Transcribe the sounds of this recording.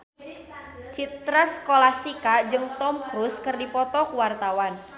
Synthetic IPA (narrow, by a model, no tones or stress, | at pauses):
t͡ʃit̪ɾaskolast̪ikad͡ʒɨŋt̪ɔmkɾuskɨrdipɔt̪ɔkuwart̪awan